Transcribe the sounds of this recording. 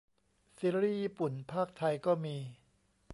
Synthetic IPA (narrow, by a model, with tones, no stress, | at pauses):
si˦˥ɾiː˥˩jiː˧pu˨˩npʰaː˥˩k̚t̪ʰa˧jkɔː˥˩miː˧